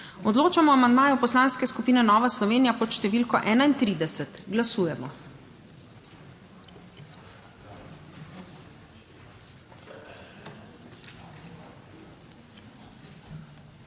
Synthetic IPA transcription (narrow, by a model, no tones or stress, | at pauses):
ɔd̪loːt͡ʃamɔamand̪maːjɔpɔslaːnskɛskupiːnɛnɔːʋaslɔʋeːnijapɔt̪ʃt̪ɛʋiːlkɔʔɛːnaint̪ɾiːd̪ɛsɛt̪ɡlasuːjɛmɔ